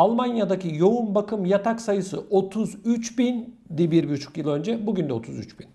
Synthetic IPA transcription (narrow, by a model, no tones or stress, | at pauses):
alˠmanjad̪acijo̞unbakʰɯmjat̪ʰaksajɯsɯʔo̞t̪ʰuzyt͡ʃbind̪ibiɾbyt͡ʃʰu̥cjɯlˠø̞nd͡ʒɛbuɟynd̪ɛo̞t̪ʰuzyt͡ʃbin